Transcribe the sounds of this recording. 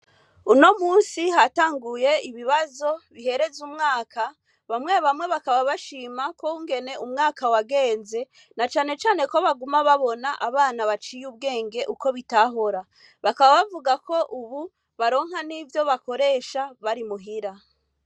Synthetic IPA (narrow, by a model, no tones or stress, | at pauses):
uno̞muːnsihataːŋɡuje̞iβiβazo̞βihe̞ɾe̞zumŋaːkʰa | βamŋe̞βamŋe̞βakaβaβaʃiːmakouŋɡe̞ne̞umŋaːkawaɡe̞ːnze̞ | nat͡ʃaːne̞t͡ʃaːne̞ko̞βaɡumaβaβo̞naʔaβaːnaβat͡ʃijuβ̚ɡe̞ːŋɡe̞ʔuko̞βitaɦo̞ɾa | βakaβaβavuɡako̞ʔuβu | βaɾo̞ːŋɦhaniːvjo̞βako̞ɾe̞ːʃaβaɾimuɦiɾa